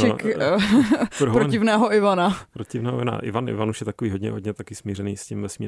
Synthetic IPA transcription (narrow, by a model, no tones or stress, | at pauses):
ɪk | ppɾoncɪvnɛːɦoɪvanapɾotcɪvnɛːɦo̰ɪana̰ʔɪ̰vanɪ̰vanuʃjɛt̪akoviːɦoɟɲɛ̰ɦodɟɲɛt̪akɪsmiːɾɛnḭːscɪmvɛsmḭː